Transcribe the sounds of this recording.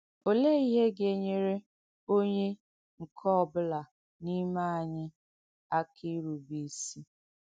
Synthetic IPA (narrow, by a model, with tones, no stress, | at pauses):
o˨le˦i˦ɦe˦ɡe˨ɲe˦ɾe˦ | o˦ɲe˦ | ŋ̩˨kʰɔ˦ɔ˨bʊ˦la˨ | ni˦ma˦a˨ɲɪ˦ | a˦kʰi˦ɾu˨bi˦si˦